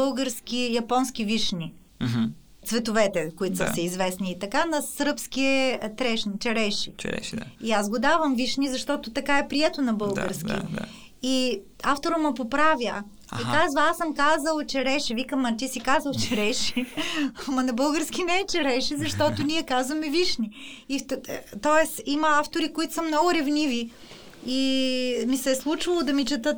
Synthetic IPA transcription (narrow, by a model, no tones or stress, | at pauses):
ɤlˠɡəɾskʲijɐpɔnsk̟iviʃnʲi | t̪svɛt̪ovɛt̪ɛkʊit̪osɐsɛizvɛsniːt̪ɐkanɐsɾpsk̟iɛt̪ɾɛʃnit͡ʃɛɾɛʃḭ | iazɡʊd̪avɐmviʃnizɐʃt̪ɔt̪ʊt̪ɐkaɛpɾiɛt̪onɐbɤlˠɡə̰ɾsk̟ḭ | i | aft̪oɾɐmɐpopɾavʲjə | it̪azvaasəmkazəlˠt͡ʃɛɾɛʃɛvikəmːɐt̪isikazɐlˠt͡ʃɛɾɛʃɛ | mɐnɐbɤlˠɡəɾsk̟ʲinɛɛt͡ʃɛɾɛʃɛzɐʃt̪ɔt̪ʊnʲiɛkazvɐmɛviʃniit̪ɔɛsimɐaft̪oɾikoit̪ʊ̥səmnɔɡʊɾɛvnivi | imisɛslˠut͡ʃvɐlˠod̪ɐmit͡ʃɛt̪ɤt̪